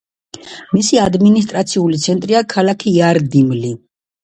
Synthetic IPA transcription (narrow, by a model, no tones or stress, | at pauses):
misiad̪minis̬t̪ʼɾat̪sʰiulit̪sʰɛnt̪ʼɾiakʰalakʰiːaɾd̪imli